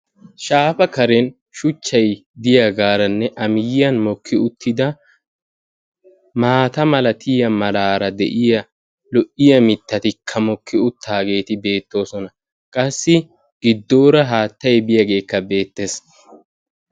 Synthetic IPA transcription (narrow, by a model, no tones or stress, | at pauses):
ʃaːfɐkɐɾɛn | ʃʊt͡ʃːɐjd̪ɪjɐɡaːɾɐnːɛʔɐmɪjːɐnmɔkʰːɪʊt̪ʰːɪd̪ɐ | maːt̪ɐmɐlɐt̪ʰɪːjɐmɐlaːɾɐd̪ɛ̰ʔɪjɐ | lɔʔɪjɐmɪt̪ːɐt̪ɪkʰːɐmɔkʰːɪʊt̪ʰːaːɡe̞ːt̪ɪbe̞ːt̪ːo̞ːsɔnɐ | kʼɐsːɪ | ɡ̥ɪd̪ːoːɾɐɦaːt̪ːɐjbɪjɐɡe̞ːkːɐbe̞ːt̪ːe̞s